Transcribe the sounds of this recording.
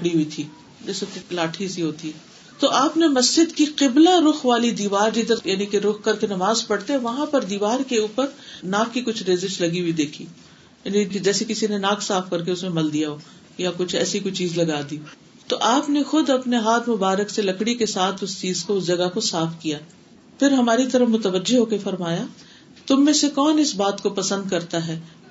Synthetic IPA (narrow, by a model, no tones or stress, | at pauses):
lɐkɽiɦit̪ʰiː | d͡ʒɛːseklaːʈʰisiɦoːt̪iɦɛ | t̪oʔaːpnemɐsd͡ʒɪd̪kiqɪblaɾʊxʋaːlid̪iːʋaːɾd͡ʒɪd̪əɾjaːnikeɾʊxkɐɾkenɐmaːzpɐɽt̪eɦɛ̃ʋɐɦãpɐɾd̪iːʋaːɾkeuːpəɾnaːkːikʊt͡ʃʰɾeːzɪʃlɐɡiɦid̪eːkʰi | jaːnikd͡ʒɛːsekɪsinenaːksaːfkɐɾk̬eʊsmẽmɐld̪ijaɦoː | jakʊt͡ʃʰɛːsikʊt͡ʃʰt͡ʃiːzlɐɡaːd̪io | t̪oʔaːpnexʊd̪ɐpneɦaːt̪ʰmʊbaːɾəkselɐkɽikesaːt̪ʰʊst͡ʃiːzkoʊsd͡ʒɐɡakosaːfʰkijaː | pɪɾɦɐmaːɾit̪ɐɾəfmʊt̪əʋəd͡ʒeɦoːkefɐɾmaːja | t̪ʊmːẽsekɔːnɪsbaːt̪kopɐsə̃nd̪kɐɾt̪aɦɛː